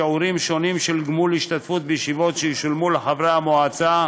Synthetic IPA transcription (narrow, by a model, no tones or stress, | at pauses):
euɾimʃo̞nimʃelɡmuliʃt̪at̪fut̪̚bejeʃivo̞t̪ʃejeʃulmuleħavʁeamoat͡sa